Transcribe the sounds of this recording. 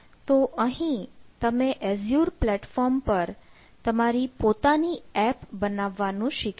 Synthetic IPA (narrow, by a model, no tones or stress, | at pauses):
t̪oʔəɦĩt̪əmẽʔɛzjuɾplɛʈfɔɾmpəɾ | t̪əmaɾipot̪aniɛpbənaʋːanũʃɪk